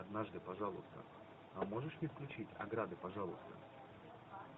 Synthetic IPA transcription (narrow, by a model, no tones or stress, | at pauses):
ɐd̪naʐd̪ɨpɐʐalˠʊ̰st̪ə̰ | ɐmoʐɨʂnʲɪfklʲʉt͡ɕitʲɐ̰ɡɾad̪ɨpɐʐalˠʊst̪ə̰